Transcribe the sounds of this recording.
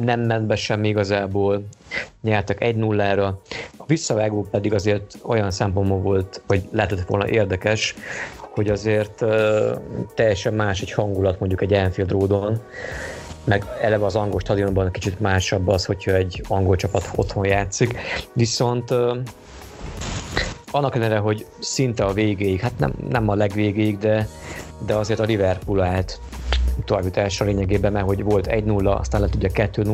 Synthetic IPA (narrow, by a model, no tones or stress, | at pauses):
nɛmːɛnd̪bɛʃɛmːiiɡɒzaːboːlɲɛrt̪ɒkɛɟnulːaːɾɒɒvisːɒvaːɡoːpɛd̪iɡɒzeːrt̪o̞jɒnsɛmpo̞nbolvo̞lt̪ɒɟlɛːɛt̪ɛt̪ːʋo̞̰ːlnɒ̰ʔeːrd̪ɛkɛʃho̞ɟɒzeːrt̪ː | ɛjːɛʃɛmːaːʃɛchɒŋɡulɒt̪mo̞ɲɟukɛɟːɛlɛnɱfild̪roːd̪on | mɛɡɛlːɛvɛɒzɒŋɡolʃt̪ɒd̪iombɒnkit͡ʃit̪maːʃɒbːɒsho̞cʰhɒɛɟːɒŋɡo̞lt͡ʃɒpɒt̪o̞̰t̪ho̞njaːt̪sikʋiso̞nt̪ː | ɒnːɒklɛnɾɛɦo̞ɟ | sint̪ɛɒveːɡeːjikhat̪nɛ̰mnɛmɒlɛɡʋeːɡeːjiɡd̪ɛd̪ɛɒzeːrt̪ɒlivɛrkulaːlt̪ | t̪ɒrvit̪aːʃɒleːɲɛɡeːbɛmːɛɦo̞ɟvo̞lt̪ɛ̰ɟnulːɒɒ̰st̪aːnlɛt̪uɟːɒkɛt̪ːøːnu